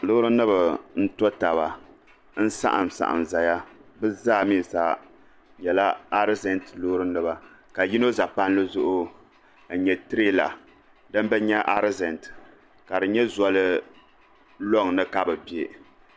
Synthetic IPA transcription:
lʊ˦hɾɨ˦nɨ˦ba˨n̩˦tɔ˦ta˨βa˨ | n̩˦sa̰˦ʔa̰˨msa̰˨ʔa̰˨mza˨ja˦bɨ˦zaː˦˨mi˦˨sa˦ | ɲɛ˨la˦a˦ɾzɛ˨ntlo˦ɾɨ˦nɨ˦ba˨ | ka˨ji˦no˦za˨pa˦nlɨ˦zʊ˦ʔʊ˦˨ | ɲɛ˨tɨ˦ɾe˦la̰˨ | dɨ˦m˦bɛ˦ɲɛ˦ʔa˦ɾzɛ˨nt | ka˨dɨ˨ɲɛ˦zɔ˦lɨ˦ | lɔ˦ŋnɨ˦ka˦bɨ˨be˦

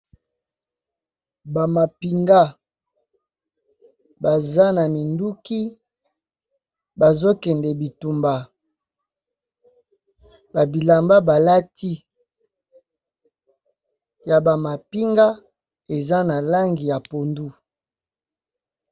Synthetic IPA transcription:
ba˨ma˨pi˨ŋɡa˦ | ba˨za˦na˨mi˨ndu˦ki˦ | ba˨zo˦kɛ˨ndɛ˨bi˨tu˨mba˨ | ba˨bi˨la˨mba˦ba˨la˦ti˦ | ja˨ba˨ma˨pi˦ŋɡa˦ | e˨za˦na˨la˦ŋɡi˨ja˨po˨ndu˦

